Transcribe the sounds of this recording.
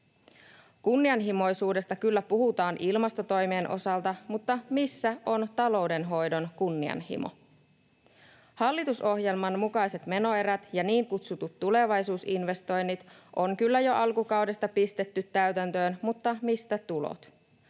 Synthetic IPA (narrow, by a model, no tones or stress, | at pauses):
kunːiɑnɦimo̞jsuːde̞st̪ɑkylːæpuhut̪ɑːnʔilmɑst̪o̞t̪o̞jmeːnʔo̞̰sɑlt̪ɑmut̪ːɑmisːæo̞nt̪ɑlo̞wde̞nɦo̞jdo̞nkunːiɑ̰nhḭmo̰ | hɑlːit̪uso̞hje̞lmɑnmukɑjse̞t̪me̞no̞e̞ɾæt̪jɑniːŋkut̪sut̪ut̪ːule̞ʋɑjsuːsinʋe̞st̪o̞jnːit̪ʔo̞ŋkylːæjo̞ʔɑlkukɑwdest̪ɑpist̪e̞t̪ːyt̪ːæɥt̪ænt̪ø̞ːnmut̪ːɑmist̪æt̪ulo̰t̪